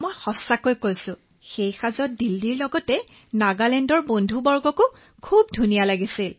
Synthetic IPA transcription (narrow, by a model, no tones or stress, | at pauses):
mɔjxɔsakojkojsʊ̃ | xejxazɔt̚dildiɹlɔɡɔtɛ | naɡalɛndɔɹbondʱubɔɹɡɔkʊ | kʰubdʱunijalaɡisil